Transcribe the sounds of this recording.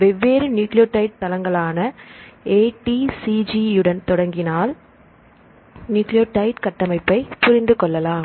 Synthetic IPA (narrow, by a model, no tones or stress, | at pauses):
ʋɛʋːeːɾɯnjuːklɪjoːʈːɐɪʈ̚t̪ɐlɐŋɡɐɭaːnɐeːʈisid͡ʒiɯɽɐnt̪ɔɽɐŋɡɪnaːl | njuːklɪjoːʈɐɪʈkɐʈːɐmɐɪpːɐɪpʊɾɪnd̪ɯkɔɭːɐlaːm